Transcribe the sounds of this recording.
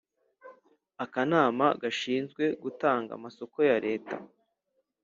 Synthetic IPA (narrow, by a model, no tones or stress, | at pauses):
akanaːmaɡaʃiːnzɡwe̞ɡutaːŋɡa̰maso̞ko̞jaɾe̞ːta̰